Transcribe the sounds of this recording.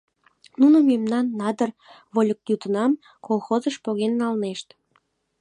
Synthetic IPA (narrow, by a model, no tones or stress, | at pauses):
nunəmemnɑnːɑd̪ər | βolʲək̚jut̪ənɑm | kolˠxozəʃpoɣenːɑlneʃt̪